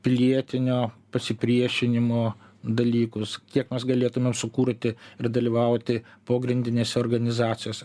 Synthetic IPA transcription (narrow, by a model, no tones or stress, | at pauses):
pʲɪlʲiɛt̪ʲɪnʲoːpɐsʲɪpʲɾʲiɛʃʲɪnʲɪmoːd̪ɐlʲiːkʊskʲiɛkmʲɛsɡɐlʲeːt̪ʊmʲeːmsʊkuːɾʲt̪ʲɪɪrd̪ɐlʲiːʋɐʊt̪ʲɪpoːɡɾʲɪnd̪ʲɪnʲeːsʲɛoːrɡɐnʲɪzɑːt͡s̪ʲɪjoːsʲ